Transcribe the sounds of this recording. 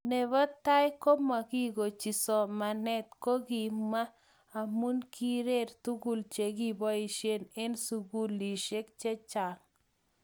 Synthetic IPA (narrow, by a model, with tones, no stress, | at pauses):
ne˨βɔ˦t̪a˦jko˦ma˨ki˦ɡo˨t͡ʃi˨sɔ˨ma˨nɛ˦t̪̚ko˦ɡi˨maː˦˨ | mu˦nkʰi˦ɾe˦ɾt̪u˦ɡu˨lt͡ʃe˨ɡi˦bɔ˦i˨ʃje˦ne˦nsu˨ɡu˦li˨ʃe˦k̚t͡ʃe˦t͡ʃa˨ŋ